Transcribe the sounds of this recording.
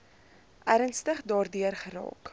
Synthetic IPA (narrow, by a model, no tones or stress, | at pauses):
ʔæɾənstəχdɑːrdyərχəɾɑ̰ːk